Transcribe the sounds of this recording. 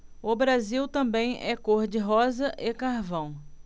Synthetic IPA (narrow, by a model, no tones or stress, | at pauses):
ʊbɾaziwt̪ɐ̃bẽj̃ʔɛkoɾd͡ʒɪɦɔzɐʔekaɾvɐ̃w̃